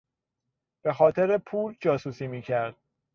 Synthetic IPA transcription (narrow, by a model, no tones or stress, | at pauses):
b̥e̞xɒːt̪ʰeɾepʰuːld͡ʒɒːsuːsiːmiːcʰæɾd̪̥̚